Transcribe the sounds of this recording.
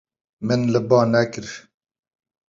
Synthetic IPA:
mɨnləbɑːnɛkɪɾ

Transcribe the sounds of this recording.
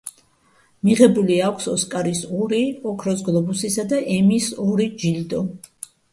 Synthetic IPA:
miʁɛbuliakʷʰsɔskʼaɾisɔɾiɔkʰɾɔs̬ɡlˠɔbusisad̪aʔɛmisɔɾid͡ʒild̪ɔ

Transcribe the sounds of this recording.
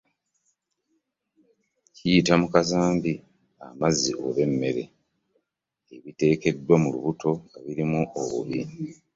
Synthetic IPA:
cijitamukazaːmbi | a̰mazːiʔo̞̰βe̞mːe̞ɾe̞̰ | eβite̞ːke̞dːwamulṵβuto̞aβiɾimuʔoβṵβi

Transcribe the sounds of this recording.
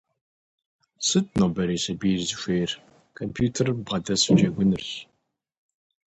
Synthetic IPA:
sɨtnobɐɾiːsɐbiːzɨʃʷeːr | kʰɐmpʰjuːtʰɐrbʁɐdɐswd͡ʒeɡʷʊnɨɬ

